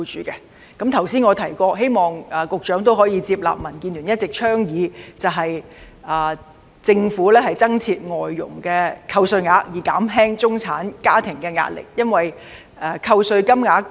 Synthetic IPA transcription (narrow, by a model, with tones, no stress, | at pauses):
t͡ʃyː˨˧kɛ˧ | kɐ˨˥mt̪ʰɐ˨˩wsiː˥nŋɔː˨˧t̪ʰɐ˨˩jkɔː˧ɦe˥jmɔː˨˩ŋɐː˨˩kʊ˨k̚t͡ʃœː˨˥ŋt̪̬o˥wɦɔː˨˥jiː˧t͡siː˧p̚la̰ː˨p̚mɐ˨˩nkiː˧nly˨˩jɐ˥t̚t͡sɪ˨k̚t͡ʃʰœː˥ŋjiː˨˥t͡sɐ˨wɦɐ˨j | aː˨˩ | t͡sɪ˧ŋfuː˨˥lɛː˥hɐ˨jt͡sɐ˥ŋt͡sʰiː˧t̚ŋɔː˨˩jːʊ̰˨˩ŋkɛː˧kʰɐ˧wsɵ˧ɥŋaː˨˥kjiː˨˩kaː˨˥mɦɛː˥ŋt͡sʊ˥ŋt͡sʰa̰ː˨˥nkaː˥t̪ʰɪ˨˩ŋkɛː˧ŋa̰ː˧t̚lɪ̰˨˩k̚jɐ˥nwɐ˨j | ɛ˧kʰɐ˧wsɵ˧ɥkɐ˥mŋaː˨˥k